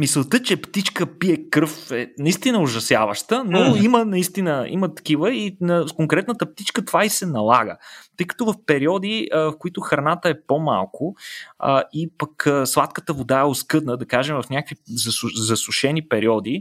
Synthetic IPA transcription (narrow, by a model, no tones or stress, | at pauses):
mist̪ət͡ʃɛpt̪it͡ʃkəpiɛkɾfɛnɐist̪inəoʒɐsja̰vəʃt̪ənoimənɐist̪inəḭmət̪ɐ̥kivəinɐkoŋkɾɛt̪nət̪əp̚t̪it͡ʃkət̪ovaisɛnɐlˠaɡə̰t̪ɤjkɐ̥t̪ɔvɐfpɛɾiɔd̪ivɐfkʊit̪ʊxɾɐnat̪əɛpoma̰lˠkʊ | ipɐkəslˠat̪kət̪əvod̪aɛoskɤd̪nəd̪ɐkaʒɛmvɐfnʲakvizɐszɐsʊʃɛnipɛɾiɔd̪i